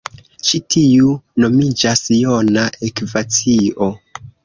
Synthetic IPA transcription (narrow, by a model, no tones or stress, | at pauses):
ʃitʰiuno̞mid͡ʒasjonaʔekvat͡sio